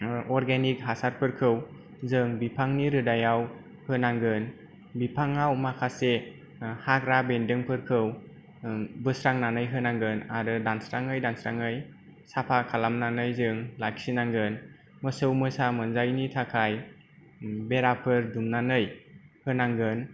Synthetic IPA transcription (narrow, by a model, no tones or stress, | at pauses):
ɔɾɡenik̚ɦasaɾpʰɯɾkʰɯw | zɯŋbipʰaŋniɾɯdajaw | hɯnaŋɡɯn | bipʰaŋawmakʰase | hakɾabendɯŋpʰɯɾkʰɯw | bɯsɾaŋnanɯjɦɯnaŋɡɯnaɾɯdansɾaŋɯjdansɾaŋɯj | sapʰakʰalamnanɯjzɯŋlaksinaŋɡɯn | mɯsɯwmɯsamɯnzajnitʰakʰaj | beɾapʰɯɾdumnanɯjhɯnaŋɡɯn